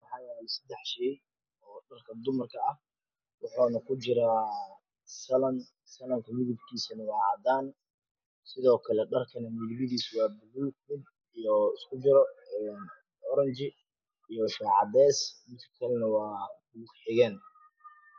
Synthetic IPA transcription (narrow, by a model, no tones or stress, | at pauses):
wɑħɑːjɛsɐd̪ɛħʃɛːj | ɔːɖɐrkʰɐd̪ʊmɐrkʰɐɐh | wɑħuːnɐkʰʊt͡ʃɪɾaː | sɐlɐn | sɐlɐŋkʰɐmɪðɪbkʰiːsɐnɐwɑːʕɑːd̪aːn | sɪðɔːkʰɐlɛɖɐrkʰɐnɐmɪðβɪðiːswɑːbʊɣuːɡmɪd̪̚ | ijɔɪskʰʊd͡ʒɪɾɔɛːn | ɔɾɐnt͡ʃɪ | ijɔʃaːʕɑd̪ɛːsmɪt̪kʰɐ̥kʰɐlɛnɐwɑːbuːɡħɪɣɛːn